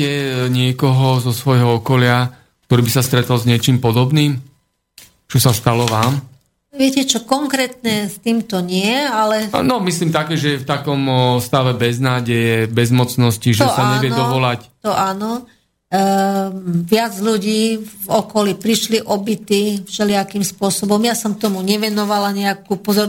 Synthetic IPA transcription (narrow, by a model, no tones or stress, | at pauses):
ɛɲɪɛkɔɦɔzɔsʋɔjɦɔɔkɔlɪa | k̚t̪ɔɾiːbisast̪ɾɛt̪ɔlzɲɪɛt͡ʃiːmpɔd̪ɔbniːm | t͡ʃɔsast̪alɔʋaːm | ʋɪɛcɛt͡ʃɔkɔŋkɾɛt̪nɛst̪iːmt̪ɔɲɪɛalɛnɔmisliːmt̪akɛːʒɛjɛft̪akɔmst̪aʋɛbɛznaːɟɛjɛbɛzmɔt͡snɔsciʒɛsaaɲɛʋjɛnd̪ɔʋɔlact̪ɔʔaːnɔ | ʋɪad͡zʎuɟiːvɔkɔlipɾiʃliʔɔbit̪ifʃɛlɪakimspʊɔsɔbɔmjasɔmt̪ɔmuɲɛʋɛnɔʋalaɲɛakuːpɔzɔɾ